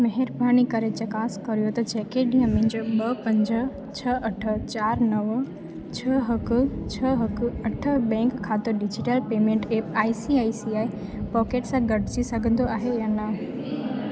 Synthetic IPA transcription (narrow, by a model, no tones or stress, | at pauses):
mɐɦeɾbʱaːñikɐɾet͡ɕɐkaːskɐɾijot̪ɐt͡ɕɛːkeɗĩːə̃mẽɦɪ̃ɲd͡ʑoɓɐpɐ̃ɲd͡ʑə̆ | t͡ɕʰɐʔɐʈʰə̆t͡ɕaːɾnɐʋ | t͡ɕʰɐɦɐkʊ̆t͡ɕʰɐɦɐkʊɐʈʰəbɛ̃ːŋkʰːaːt̪oɗɪd͡ʑɪʈəlpeːmẽɳʈeːpaːisiaːisiaːi | pɔːkeːʈsãɡɐɖʱɪt͡ɕisɐɡʱə̃nd̪oaːɦejaːnɐ